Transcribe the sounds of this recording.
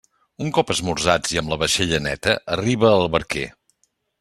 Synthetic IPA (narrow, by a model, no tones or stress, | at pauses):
uŋkɔpəzmurzad͡ziəmləβəʃeʎənɛt̪əʔəriβ̞əːlˠβəɾkḛ